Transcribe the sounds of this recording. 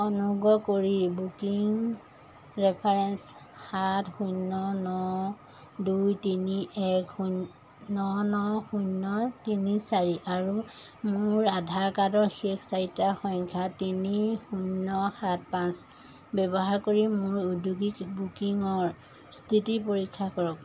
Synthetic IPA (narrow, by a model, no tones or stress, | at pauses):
ɔnuɡɔkoɹibukiŋ | ɹɛpʰaɹɛns | xatxunːɔnɔ | dujtiniʔɛku | nɔnɔxunːɔtinisaɹiʔaɹu | mʊɹadʱaɹkadɔɹxekʰsaɹitaxɔŋkʰatinixunːɔxat̚pãs | bɛbɔɦaɹkoɹimʊɹuduɡikbukiŋɔɹ | stʰitipoɹikʰːakɔɹɔk̚